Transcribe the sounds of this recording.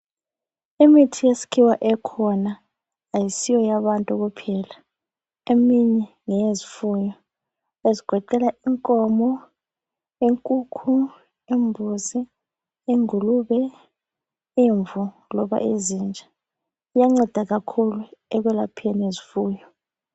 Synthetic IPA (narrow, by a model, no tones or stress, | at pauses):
imitʰijesi̥kʰiwaʔɛkʰɔnaː | jisijɔjaβantʼuk̬upʰɛla | emiɲɛ | ŋɛjezifuːjɔ | eziɡ̥ʱɔǃɛlaiŋkʼɔmɔ | iŋkʼuːkʰu | imbʱuzi | iŋuluːβɛ | iɱvu | lɔɓa̰ʔezind͡ʒʱḁ | jaŋ͡ǀɛd̥ʱaɣakʰuluɛɣ̬wɛlapʰɛnezifuːjɔ